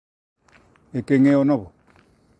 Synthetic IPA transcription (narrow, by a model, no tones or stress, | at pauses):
ekeŋeonɔβo